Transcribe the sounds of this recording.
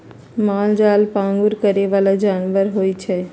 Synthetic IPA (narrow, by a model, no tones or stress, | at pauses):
maːld͡ʒaːlpãːŋɡʊɾkəɾeʋaːlad͡ʒaːnʋəɾɦoːit͡ʃʰe